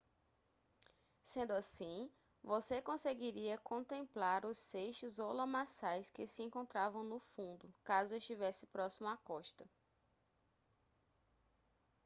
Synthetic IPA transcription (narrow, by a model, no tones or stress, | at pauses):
sẽnd̪ʊasĩ | vosekõseɡiɾiɐkõt̪ẽmplaɾʊsːeʃʊzowlɐ̃masajskɪsɪẽŋkõnt̪ɾavɐ̃w̃nʊfũnd̪ʊkazʊeʃt͡ʃivɛsɪ̥pɾɔsimʊakɔʃt̪ɐ